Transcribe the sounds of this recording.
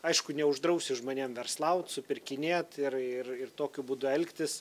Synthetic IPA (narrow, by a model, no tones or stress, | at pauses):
ɐɪʃkʊnʲɛʊʒd̪ɾɐʊsʲɪʒmoːnʲeːmʋʲɛrslˠɐʊt̪sʊpʲɪrʲkʲɪnʲeːt̪ɪrɪrɪrt̪oːkʲʊbuːd̪ʊɛlʲkʲt̪ʲɪs